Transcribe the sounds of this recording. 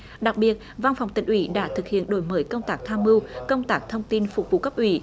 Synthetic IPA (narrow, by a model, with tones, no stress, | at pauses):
ɗa˨˩k̚ɓi˨˩ət̚va˧nfa˨˩wŋ͡mt̪ï˨˩ŋ̟ʔwḭ˧˦ɗa̰ː˧˥t̪ʰɨ˨˩k̚hḭ˧˨ənɗo̰˧˨˦jməː˨˦jkə˧wŋ͡mt̪aː˦˥k̚t̪ʰaː˧mɨ˧wkə˧wŋ͡mt̪aː˦˥k̚t̪ʰə˧wŋ͡mt̪i˧nfʊ˨˩k͡p̚vṵ˧˨kə˦˥p̚ʔwḭ˧˩˦